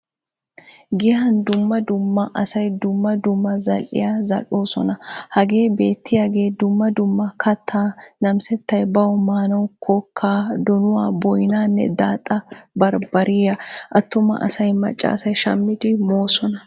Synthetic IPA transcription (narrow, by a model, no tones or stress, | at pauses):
ɡɪhɐnd̪ʊmːɐd̪ʊmːɐʔɐsɐjd̪ʊmːɐd̪ʊmːɐzɐlʔɪ̰jazɐ̰loːsɔnɐhɐɡe̞ːbe̞ːt̪ːɪjɐɡe̞ːd̪ʊmːɐd̪ʊmːɐkʰɐt̪ʰːaːnɐmsɛt̪ːɐjbɐwɔmaːnɐwkʰɔkʰːaːd̪ɔnʊwaːbɔjnaːnːɛ̰d̪aːt̪ʼːɐbɐɾbɐɾiːɐʔɐt̪ːʊmɐ̰ʔɐ̰sɐjmɐ̰t͡ʃʼːa̰ːsɐjʃɐmːɪd̪ɪmo̞ːsɔnɐ